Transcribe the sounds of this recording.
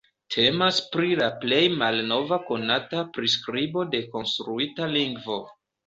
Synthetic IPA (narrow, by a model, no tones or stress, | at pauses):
tʰe̞maspɾilaple̞jmalno̞vako̞natapɾiskɾibo̞de̞ko̞nstɾuitaliŋɡvo̞